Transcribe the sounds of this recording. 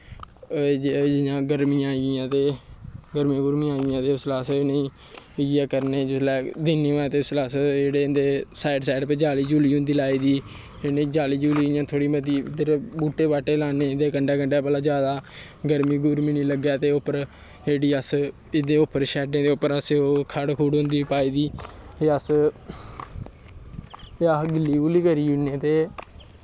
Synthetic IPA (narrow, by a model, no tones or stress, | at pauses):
d͡ʒɪjãːɡəɾmĩːãːiãːt̪eːɡəɾmĩːɡʊɾmĩːaːɪjãːt̪eːʊslaːsnəĩː | ɪaːkəɾnẽːd͡ʒɪslɛːd̪iːnːiːɛ̃ːt̪eːʊslaːsd͡ʒeːɽeːnd̪eːsaːɪɖsaːɪɖpeːd͡ʒaːliːd͡ʒuːliːɦʊ̃nd̪iːlaːiːd̪iː | enəĩːd͡ʒaːliːd͡ʒuːliːjãːt̪ʰoːɽiːməd̪iːd̪eɾbuːʈeːpaːʈeːlaːneːd̪eːkəɳɖaːkəɳɖaːpɛːlaːd͡ʒjaːd̪aː | ɡəɾmiːɡʊɾminiːləɡjaːt̪eːʊpːəɾ | d͡ʒeːɽiːəs | ɪd̪eːʊpːəɾʃɛːɖẽːd̪eːʊpːəɾəseoːkʰəɽkʰuːɽɦʊ̃nd̪iːpaːiːd̪iːeːəs | əɡɪlːiːuliːkəɾiːʊneːt̪eː